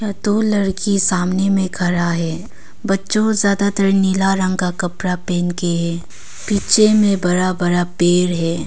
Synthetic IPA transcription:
jad̪oːlɐɾkisaːmnemẽkʰɐɾaɦɛː | bɐtːʃõzjaːd̪at̪əɾnilaɾə̃ŋɡkakɐpɾapeːnkeɦɛː | piːt͡ʃemẽbɐɾabɐɾapeːɾɦɛː

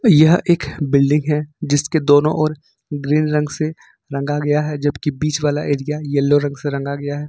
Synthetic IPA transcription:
jɐɦeːkbɪlɖɪ̃ŋɡɦɛd͡ʒɪsked̪oːnõʔɔːɾ | ɡɾiːnɾɐ̃ŋɡse | ɾɐ̃ŋɡaɡɐjaɦɛd͡ʒɐbkibiːt͡ʃʋaːlaʔeːɾijajɐlːoɾɐ̃ŋɡseɾɐ̃ŋɡaɡɐjaɦɛː

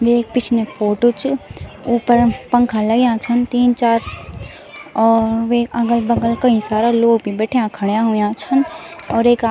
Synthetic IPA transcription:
ʋeːk̚pɪt͡ʃʰnefʰoːʈot͡ʃuːpəɾpɐ̃ŋkʰalɐɡejãːt͡ʃʰənt̪iːnt͡ʃaːɾ | ɔːɾʋeɐɡəlbɐɡəlkɐɦĩsaːɾaloːɡbʱibɛːʈʰejãkʰɐɽjaɦʊjãt͡ʃʰənɔːɾeːkː

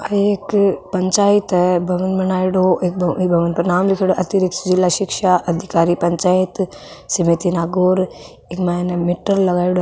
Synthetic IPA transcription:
ɐieːkpɐɲt͡ʃaːjit̪bʱɐʋənbɐnaːiɽoʔeːk̚bbʱɐʋənpɾɐnaːmlikʰiɽoʔɐt̪iɾɪk̚t̪d͡ʒilːaʃɪkʃaʔɐd̪ʱikaːɾipɐɲt͡ʃaːit̪ | sɐmeːt̪inaːɡoːɾ | ekmaːnmiʈːəɾlɐɡaːiɽo

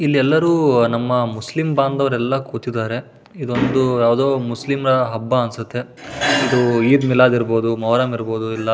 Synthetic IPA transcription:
ilːiɛlːɐɾuːnɐmːɐmuslimbaːnd̪ɐʋɐɾɛlːɐkuːt̪id̪aːɾe̞ | id̪uond̪ujaːʋd̪oːmuslimɾɐɦɐbːɐɐnsɐt̪ːe̞id̪uiːd̪milaːd̪iɾbo̞ːd̪umɐʋɾaːmiɾbo̞ːd̪uilːɐ

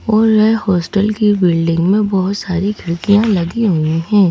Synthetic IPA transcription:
ɔːɾʋɛhɔːsʈəlkibɪːlɖɪ̃ŋɡmẽbɔɦʊt̪saːɾiɡʰʱɪɭkijãlɐɡiɦʊiɦɛ̃ː

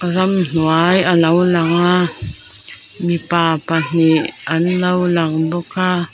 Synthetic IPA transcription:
kazamn̥uajalawlaŋa | mipapan̥ianlawlaŋbɔka

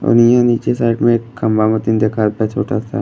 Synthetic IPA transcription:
o̰nijãniːt͡ʃesaːɪʈmẽeːkːɐmbamət̪ind̪eːkʰat̪at͡ʃʰoːʈasa

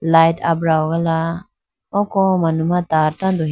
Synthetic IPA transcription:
lajtʰabɾawɡala | ɔkɔmanumat̪aɾt̪ad̪ɔ

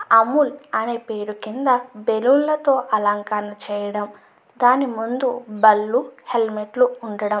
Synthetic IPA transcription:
ɐmːulɐneːpeːɾukind̪ɐbelulːɐt̪o̞ːʔɐlɐŋkɐɾnɐt͡ʃɛːjɐɽɐm | d̪aːnimund̪ubɐlːuhelmeʈluːɳɖɐɽɐm

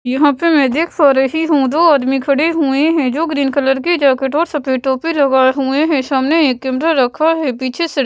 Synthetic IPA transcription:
jɐɦãpemɛ̃ːd̪eːkʰfaːɾəɦiɦũd̪oːaːd̪mikʰɐɽeɦueɦɛ̃d͡ʒoːɡɾiːnkələɾked͡ʒaːkeʈɔːɾsɐpeːʈõːpelɐɡaɦueɦɛ̃ʃaːmneeːkːẽːmɾaɾɐkʰaɦɛpiːt͡ʃʰesɪɽ

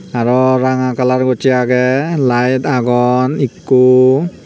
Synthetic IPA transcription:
aɹɔɹaŋakalaɹɡɔtiaɡɛlajtaɡɔnikːu

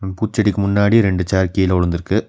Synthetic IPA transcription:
puːt͡ʃːɐɽɪkːɯmʊnːaːɽiɾɛɳɖɯt͡ʃaːɾkijɪlɔɻɯnd̪ɪɾɯkːɯ

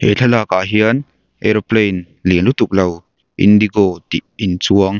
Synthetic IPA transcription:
hḛt͡ɬʰalaːkaːɦiən | ʔɛɾoplejn | linlut̪uk̚lɐw | ʔḭnd̪iɡot̪iʔint͡suəŋ

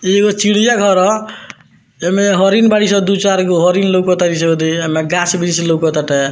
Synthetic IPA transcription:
eɡot͡ʃiɽijaɡʱɔɾɔ | emeɦɔɾinbaɽisɔd̪ut͡ʃaɾkoɦɔɾinlokɔt̪aɾis̬eod̪iemeɡasbiɾiselokɔt̪aʈe

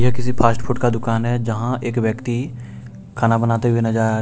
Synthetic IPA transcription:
jɐkɪsipʰaːsʈpʰʊʈkad̪ʊkaːnɦɛd͡ʒɐɦãʔeːkʋjəkt̪i | kʰaːnabənaːt̪eɦʊenɐd͡ʒaː

